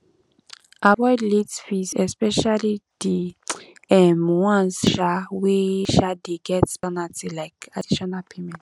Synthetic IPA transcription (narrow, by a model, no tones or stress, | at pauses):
ʔabɔjdlitfizɛspɛʃalidi | ɛmwãnsʃaweʃadeɡɛtsbɔnatʰilaɪkadiʃɔnalpʰemɛ̃nt